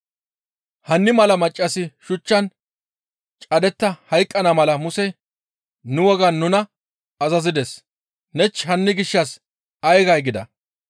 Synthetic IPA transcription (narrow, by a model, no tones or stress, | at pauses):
hɐnːɪmɐlɐmɐt͡ʃʼːɐsɪʃʊt͡ʃːɐn | t͡ʃʼɐd̪ɛt̪ːɐhɐjkʼːɐnamɐlɐmʊsɛ | nʊwɔɡɐnːʊnɐ | ɐzɐzɪd̪es | nɛt͡ʃːɦɐnːɪɡɪʃːɐs | ɐjɡɐjɡɪd̪ɐ